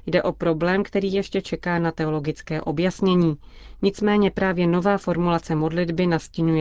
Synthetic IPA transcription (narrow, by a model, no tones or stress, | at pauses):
jdɛʔo̞pɾo̞blɛːmkt̪ɛɾiːjɛʃcɛt͡ʃɛkaːnat̪ɛo̞lo̞ɡɪt͡skɛːʔo̞bjasɲɛɲiː | ɲɪt͡smɛːɲɛpɾaːvjɛno̞vaːfo̞ɾmulat͡sɛmo̞dlɪdbɪnascɪɲujɛ